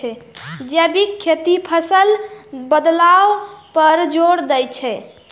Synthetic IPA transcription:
ɛd͡ʒɛbikʰːet̪ipʰəsəlbəd̪lawpəɾd͡ʒoɽd̪ɛjt͡ʃʰɛ

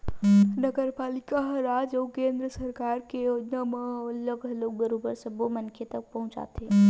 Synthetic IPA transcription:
nəɡəɾpalikaɦəɾad͡ʒəːkẽnd̪ɾəsəɾkaɾkejod͡ʒnameləɡloɡ̚bəɾobəɾsəbomənkʰet̪ək̚pəɦũʊ̃t͡ʃa̰t̪ʰe

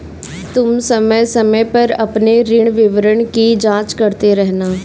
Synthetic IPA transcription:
t̪ʊmsəməsəməpəɾə̰pneɾɪɳ̃ʋɪʋɾəɳkid͡ʒãːt͡ʃkəɾt̪eɾɛɦnaː

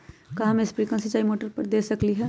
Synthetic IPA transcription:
kɐɦãmẽspɾiːkə̃sɪt͡ʃaːimoːʈəɾpɐɾd̪eːsɐkliɦɛː

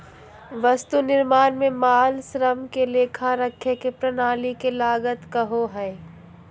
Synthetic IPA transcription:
ʋɐst̪unɪɾmaːnmẽmaːlsɾəmkeleːkʰaɾɐkʰːekepɾɐnaːlikelaːɡət̪kɐɦoɦɛː

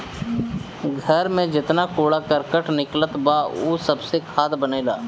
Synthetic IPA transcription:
ɡʱəɾmẽd͡ʒɪt̪nakoːɽakəɾkəʈnɪklət̪baoːsɐbsekʰaːd̪bəneːlaː

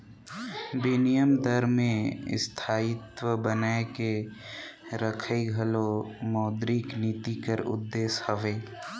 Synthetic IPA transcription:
bɪnijəmd̪əɾmẽɪ̰st̪ʰaːɪt̪wəbənaeke | ɾəkʰəiɡʱəlomɔːd̪ɾiknit̪ikəɾʊ̰d̪ːeːshəʋeː

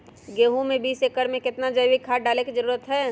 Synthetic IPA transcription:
ɡeːɦũmẽbiːsekəɾmẽkɪt̪nad͡ʒəjwikʰaːɖaːleked͡ʒəɾuːɾət̪ɦɛː

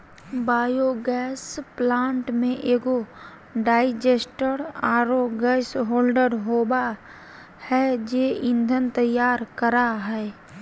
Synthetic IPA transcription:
baːjoɡɛːsplãːɳʈmẽʔeːɡo | ɖaːɪd͡ʒeːsʈəɾaːɾoɡɛːsɦoːlɖəɾɦoːba | hɛd͡ʒeːɪ̃nd̪ʱənt̪əjːaːɾkəɾaɦɛː

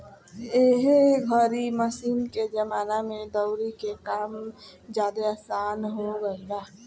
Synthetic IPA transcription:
eːɦɡʱəɾiməsiːnked͡ʒəmaːnamẽd̪əʊɾikekaːm | d͡ʒjaːd̪eaːsaːnɦoɡəeɡaː

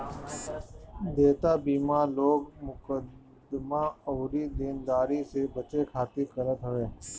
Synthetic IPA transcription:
d̪eːt̪aːbiːmaːloːɡmʊkəd̪ | mãːoːɾiːd̪iːnd̪aːɾiːseːbət͡ʃeːkʰaːt̪ikəɾət̪ɦəʋeː

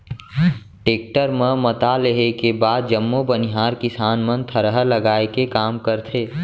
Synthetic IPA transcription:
ʈeːk̚ʈəɾmə̃mət̪aleɦekebaːd̪̚d͡ʒəmːobəniɦaːɾkɪsaːnmənt̪ʰəɾəɦələɡaːekekaːmkəɾt̪ʰeː

